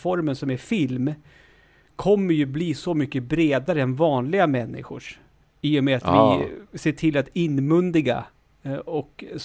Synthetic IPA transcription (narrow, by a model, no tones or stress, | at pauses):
fɔɾmənsɔmæɾfɪlm | kʰːɔmːəɾjɵbliːsɔmʏkːəbɾeːd̪aɾəɛnvɑːnlɪɡamɛnːɪ̰ɧʊʂ | iːjɔmeat̪vɪseːʈʰɪlat̪ɪnːmɵnd̪ɪɡa̰ | ɔks